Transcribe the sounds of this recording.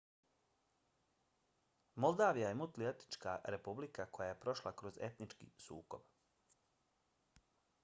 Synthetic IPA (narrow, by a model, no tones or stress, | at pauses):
molˠd̪aːʋijajemut̪liet̪i̥t͡ʃkaɾe̞publikako̞jaje̞pɾo̞ʃlˠakɾo̞ze̞t̪nit͡ʃkḭsṵːko̞b̥